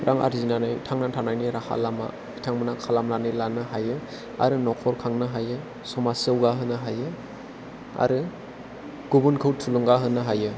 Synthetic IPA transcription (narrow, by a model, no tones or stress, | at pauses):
ɾʔaŋa̰ɾzinanɯjtʰaŋnatʰanajniɾahʰa̰lama̰ | itʰaŋmɯnakʰalamlanilanɯɦajɯ | a̰ɾɯnɔkʰɔɾkʰaŋnɯɦajɯ | sɔmasɯwɡaɦɯnɯɦajɯ | a̰ɾɯ | ɡ̥ubunkʰɯwtʰuluŋɡaɦɯnɯɦajɯ